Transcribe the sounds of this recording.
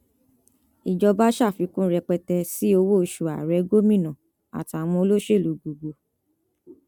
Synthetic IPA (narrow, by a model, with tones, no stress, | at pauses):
i˨d͡ʒɔ˧ba˦ʃa˦˨fi˧˦kũ˦ɾɛ˧k͡pɛ˧tɛ˧si˦o˧wo˦˧ʃu˨a̰˨ɾɛ˨˦ɡo˦mĩ˦˨nã˨ | a̰˨ti˨a˨w̃ɔ̃˧o˧lo˦ʃe˦˨lu˨ɡu˨ɡo˧